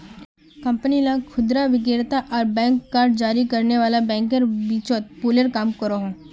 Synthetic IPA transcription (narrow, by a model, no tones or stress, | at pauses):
kɐ̃mpnilãkʰʊd̪ɾaʋɪk̬eːɾt̪aʔɔːɾbɛ̃ːŋkːaːɾɖ̚d͡ʒaːɾikɐɾneʋaːlabɛ̃ːŋkəɾbiːt͡ʃoːt̪̚puːləɾkaːmkɐɾoɦõː